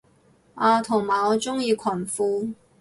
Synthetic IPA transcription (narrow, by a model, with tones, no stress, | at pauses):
ʔaː˧t̪ʰʊ˨˩ŋmaː˨˩ɔ˨˧t͡sʊ˥ŋjiː˧kʷʰɐ˨˩nfuː˧